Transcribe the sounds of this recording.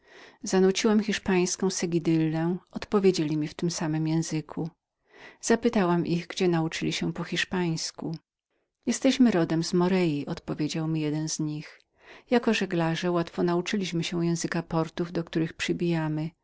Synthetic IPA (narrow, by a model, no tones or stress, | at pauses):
zanut͡ɕiwamxʲiʂpaj̃skɔ̃w̃sɛɡʲid̪ɘlːɛʔɔt̪pɔvʲjed͡ʑelʲimʲift̪ɘmsamɘmjɛ̃w̃zɘkʰu | z̥apɘt̪awamʔiɣɡd͡ʑɛnaut͡ʂɘlʲiɕɛpɔxʲiʂpaj̃sku | jɛst̪ɛɕmɘɾɔd̪ɛmzmɔɾɛjiʔɔt̪pɔvʲjed͡ʑawmʲijɛd̪ɛnzɲix | jakɔʐɛɡlaʐɛwat̪fɔnaut͡ʂɘlʲiɕmɘɕɛ̃jɛ̃w̃zɘkapɔɾt̪uvd̪ɔkt̪uɾɘxpʂɘbʲijamɘ